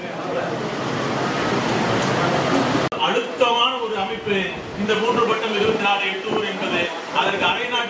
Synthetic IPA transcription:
ɐɻɯt̪ːɐmaːnɐɔɾɯɐmɐɪpːɯ | ɪnd̪ɐmuːndrɯpɐʈːɐmɛɾɯʋɯnd̪ɐɾaːɣɐɛʈːɯuɾɛnbɐðe | ɐðɐɾɣɐɐɾɐɪnaːʈː

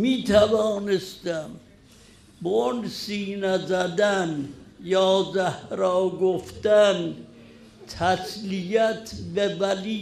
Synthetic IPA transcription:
miːt̪ʰævɒːnest̪æm | bonsiːnæzæd̪ænjɒːzæhɾɒːɡoft̪æn | t̪ʰæslijæt̪ʰbevæliː

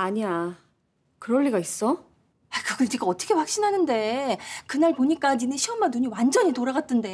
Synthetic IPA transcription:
aɲia | kɯɾʌɭːiɡais͈ʌ | aikɯɡʌd͡ʑiɡaʌt͈ʰʌkʰe̞ɸwak̚ɕ͈inɦanɯnde̞kɯnaɭpoɲik͈ad͡ʑinɯnɕʰiʌmannuɲiwand͡ʑʌɲitoɾaɡat̚t͈ɯnde̞

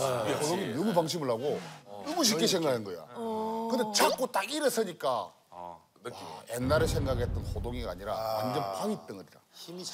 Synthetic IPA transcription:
odoŋinʌmupaŋɕ̬ʰimɯɭɦaɡonɯmuɕ̬ik͈ʰesʰeŋɡanɯnɡʌjo̰kɯndet͡ɕak͈ot͈aɡiɾɯs͈ɯɲik͈a̰ | enːaɾɯɭsʰe̞ŋɡaɡɦet͈ɯnɸodoŋiɡaɲiɾawand͡ʑʌpʰawit͈ɯŋɯɾida̰

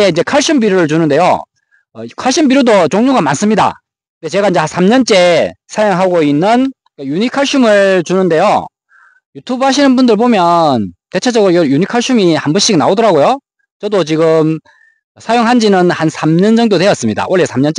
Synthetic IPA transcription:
eind͡ʑe̞kʰaɭɕ͈ʰumbiɾjoɾɯɭt͡ɕunɯnde̞jo̰ | ʌkʰaɭɕ͈ʰɯmbiɾjodot͡ɕoŋɲuɡamans͈ɯmɲida̰ | ɯnde̞t͡ɕe̞ɡaind͡ʑe̞nsʰamɲʌnt͡ɕ͈e̞sʰajoŋɦaɡoinːɯn | kajuɲikʰaɭɕ͈ʰumɯɭt͡ɕunɯnde̞jo̰ | jutʰubhaɕ̬ʰinɯnbundɯɭbomjʌnte̞t͡ɕʰed͡ʑʌɡɯɾojjuɲikʰaɭɕ͈ʰumihambʌnɕ͈iɡnaodʌɾaɡojo | t͡ɕʌdot͡ɕiɡɯm | sʰajoŋɦand͡ʑinɯnhansʰamɲʌnd͡ʑʌŋdode̞jʌs͈ɯmɲida̰ʔoɭːe̞sʰamɲʌnt͡ɕ͈e

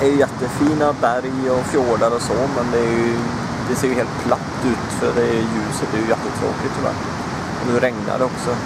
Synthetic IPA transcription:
æɾjɵjɛt̪ːəfiːnabæɾjɔfjoːɖaɾɔsɔmɛnd̪ɛæɾjɵ | d̪ɛseːjɵheːlt̪̚pʰlat̪ːʉ̟ːt̪fœɖɛjʉ̟ːsət̪æɾjɵjɛt̪ːət̪ʰɾo̰ːklɪt̪ʰːɪvæ̰ːɾ | ɔnʉːɾɛŋna̰ɖɛɔksɔ

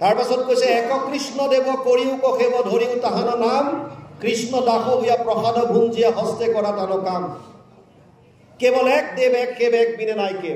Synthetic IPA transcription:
taɹpasɔt̚kojsɛːkɔkɹisnɔdebɔkoɹiʊkɔxebɔdʱoɹiʊtaɦanɔnamkɹisnɔdaxʰɔbujapɹɔxadʱɔbʱunzijaɦɔstɛkɔɹatalɔkam | kebɔlɛk̚debɛkːebɛk̚binɛnajke

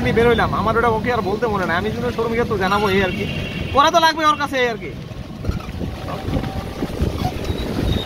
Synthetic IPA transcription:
mibeɾɦojlamamaɾeʈamokeaɾbolt̪emonenaamid͡ʑonoʃoɾmikat̪od͡ʑanaboejaɾkipɔɾat̪̬olaɡ̚beoaɾkat͡ɕʰeejaɾke

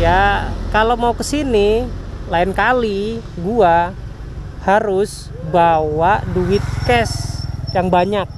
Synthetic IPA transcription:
jakalomaukəsini | laɪnkali | ɡua | haɾʊs | bawaʔduɪt̪̚kɛsjaŋbaɲak̚

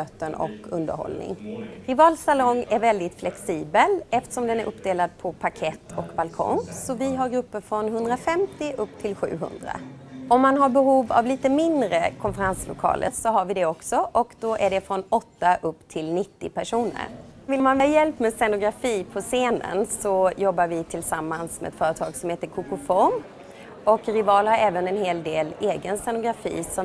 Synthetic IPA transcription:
øːt̪ənɔ̰kːɵnd̪ə̰ɾhɔ̰lnɪ̰ŋɾɪvɑːlsalɔŋæɾvɛld̪ɪt̪flɛksiːbəlɛft̪ə̥ʂɔmd̪ɛnæɾʔɵpːd̪eːlad̪̚pʰɔpʰakʰɛt̪ːʰɔkbalkʰɔ̰ŋsɔvɪɦaɾɡɾɵpːəɾfɾɔnɦɵnd̪ɾafɛmt̪ɪʔɵpːt̪ʰɪlɧʉ̟̰ːɦɵ̰nd̪ɾa̰ | ɔmːanɦaɾbɛɦuːva̰vliːt̪əmɪnd̪ɾəkʰɔnfəɾanslʊ̰kʰɑ̰ːlʔə̰ɾsɔɦaɾvɪd̪ɛɔksɔʔɔkd̪̥ɔʔæɖɛfɾɔnɔt̪ːaʔɵpːt̪ʰɪlnɪt̪ːɪpʰæʂuːnə̰ɾvɪlmːanvɛjɛlpːmɛsɛnʊɡɾafiːpʰɔseːnə̰nsɔjɔbːaɾvɪt̪ʰɪlsamːansmɛ̰ɛ̰t̪fœːɾət̪ʰɑːɡsɔmheːt̪əɾkʰʊkʊfɔɾm | ɔkɾɪvɑːlhaɾɛːvənɛnheːld̪eːleːɡənsɛnʊɡɾafḭːsɔ

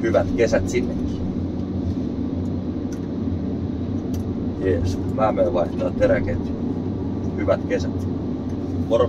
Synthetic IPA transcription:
hyʋæt̪kesæt̪sinːekːi̥ | jeːs | mæːmeʋɑist̪ɑt̪ːeɾækeːt̪ | hyʋæt̪kesæt̪ | kor

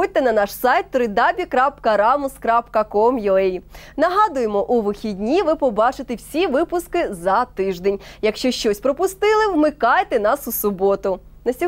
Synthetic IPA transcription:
ut̪ːɛnɐnɑʃsɑjt̪ːɾɪd̪ɑbʲikɾɑpkɐɾɑmʊskɾɑpkɐkɔmjɔɛj | nɐɦɑd̪ʊjemɔʔuʋɪxʲidʲnʲiʋɪpɔbɑt͡ʃɪt̪ewsʲiʋɪpʊskɪzɐt̪ɪʒd̪enʲjɐkʃt͡ʃɔʃt͡ʃɔsʲpɾɔpʊst̪ɪlˠɪwmɪkɑjt̪enɑsʊsʊbɔt̪ʊnɐsʲi

